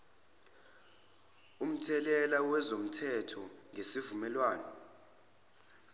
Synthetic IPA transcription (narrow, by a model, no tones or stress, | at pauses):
um̩tʰɛlɛlawɛzom̩tʰɛtʰɔŋʱesivumɛlwaːnɔ